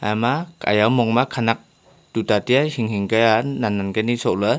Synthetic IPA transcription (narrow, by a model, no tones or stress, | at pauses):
amaka̰jawmɔŋmakʰanak̚ | tut̪at̪iahiŋhiŋkəananːankənisoʔlə